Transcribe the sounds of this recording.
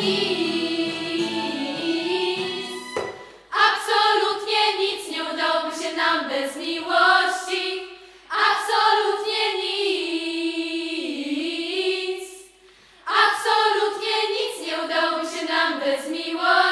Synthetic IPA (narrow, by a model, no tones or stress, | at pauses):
i | apsɔlut̪ɲɛɲit̪sɲɛud̪awɔbɘɕɛnambɛzmʲiwɔɕt͡ɕi | apsɔlut̪ɲɛɲi | s | apsɔlut̪ɲɛɲit̪sɲɛud̪awɔbɘɕɛnambɛzmʲiwɔ